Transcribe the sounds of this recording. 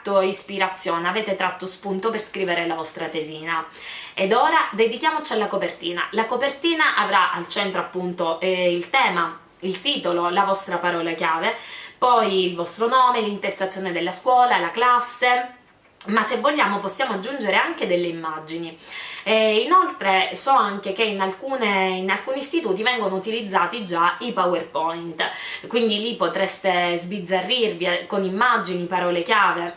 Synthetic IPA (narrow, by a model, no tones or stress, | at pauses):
t̪ːoispiɾat̪sːjoːneavɛːt̪et̪ɾat̪ːospunt̪operskɾiːveɾelavɔst̪ɾat̪eziːna | ed̪oːɾad̪ed̪ikjaːmot͡ʃialːakopert̪iːna̰lakopert̪iːnaʔavɾaʔalt͡ʃɛnt̪ɾoapːunt̪oilt̪ɛːma | ilt̪iːt̪ololavɔst̪ɾapaɾɔːlakjaːvepɔjilvɔst̪ɾonɔːmelint̪est̪at̪sːjoːned̪elːaskwɔːlalaklasːe | masːevːoʎːaːmoposːjaːmoad͡ʒːund͡ʒeɾeaŋk̟ed̪elːeimːad͡ʒini | inolt̪ɾesɔaŋk̟ek̟einalkuːneinalkuːnist̪it̪uːt̪ivɛŋɡonout̪ilid̪zːaːt̪id͡ʒaipawerpɔint̪kwind̪ilipːot̪ɾɛst̪ezbid̪zːarːirvikonimːad͡ʒinipaɾɔːlekjaːve